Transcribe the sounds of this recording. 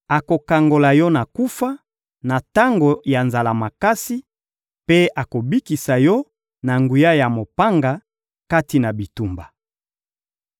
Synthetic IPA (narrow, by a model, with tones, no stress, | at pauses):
a˨ko˨ka˨ŋɡo˨la˨jɔ˦na˨ku˦fa˦ | na˨ta˦ŋɡo˨ja˨nza˨la˨ma˨ka˦si˦ | pe˦a˨ko˨bi˦ki˨sa˨jɔ˦ | na˨ŋɡu˨ja˦ja˨mo˨pa˦ŋɡa˨ | ka˦ti˨na˨bi˨tu˦mba˨